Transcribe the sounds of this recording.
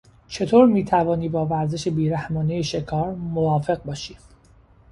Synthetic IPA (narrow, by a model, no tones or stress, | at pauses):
t͡ʃʰe̞t̪ʰoːɾmiːt̪ʰævɒːniːbɒːvæɾze̞ʃebiːɾæhmɒːnejeʃe̞kʰɒːɾmovɒːfe̞ɣ̚bɒːʃiː